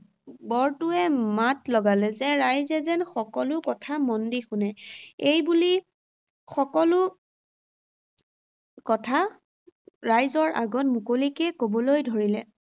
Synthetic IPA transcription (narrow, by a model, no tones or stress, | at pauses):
bɔɹtʊɛmatlɔɡalɛzɛɹajzɛzɛnxɔkɔlʊkɔtʰamɔndixʊnɛejbuli | xɔkɔlʊ | kɔtʰa | ɹajzɔɹʔa̰ɡɔtmukolikɛkobɔlojdʱoɹilɛ